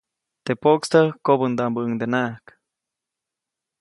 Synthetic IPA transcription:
t̪epokst̪əkobənd̪ambəɨŋd̪enak

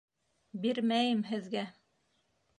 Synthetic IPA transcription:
biɾmæjɘmɦɘ̆ðɡæ

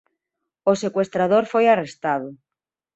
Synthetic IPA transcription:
osekwest̪ɾaðoɾfojarest̪aðo

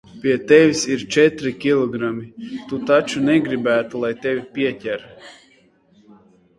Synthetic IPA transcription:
pʲiɛt̪ɛvʲisiɾt͡ʃɛt̪ɾikʲilˠɔɡɾamʲit̪ut̪at͡ʃunɛɡɾibæːt̪ulˠajt̪ɛvʲipʲiɛtʲæɾ

